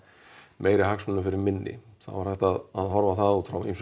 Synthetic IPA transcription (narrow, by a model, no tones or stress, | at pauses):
mʔeːjɾɪɦaksmʏnːʏfɪɾɪɾmɪnːɪ̰θa̰ðvaɾ̥hɛjht̪aðaðɦɔɾvaθaðut̪fɾawḭms